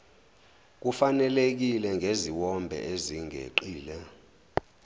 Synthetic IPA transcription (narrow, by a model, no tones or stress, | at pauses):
k̬ufanɛlek̬ilɛŋʱeziwɔmbʱɛ̰ʔeziŋʱḛǃiːlɛ